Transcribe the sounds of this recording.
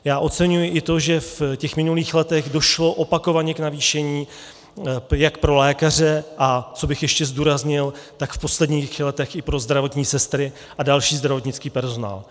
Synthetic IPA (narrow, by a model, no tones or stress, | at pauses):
jaːʔo̞t͡sɛɲujɪʔɪt̪o̞ʒɛfcɛxmɪnuliːxlɛt̪ɛɣdo̞ʃlo̞ʔo̞pako̞vaɲɛknaviːʃɛɲiː | jakpɾo̞lɛːkar̝ɛʔat͡so̞bɪxjɛʃcɛzduːɾazɲɪlt̪akfpo̞slɛdɲiːxlɛt̪ɛxʔɪpɾo̞zd̪ɾavo̞t̪ɲiːsɛst̪ɾɪ | ʔadalʃiːzd̪ɾavo̞t̪ɲɪt͡skiːpɛɾzo̞na̰ːl